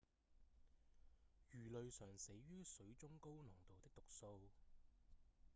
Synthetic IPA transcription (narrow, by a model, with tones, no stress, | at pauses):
jyː˨˩lɵ˨ɥsœː˨˩ŋse˨˥jɥyː˥sɵ˨˥ɥt͡sʊ˥ŋko˥wnɔː˨˩ŋt̪o˨wt̪ɪ˥k̚t̪ʊ˨k̚so˧w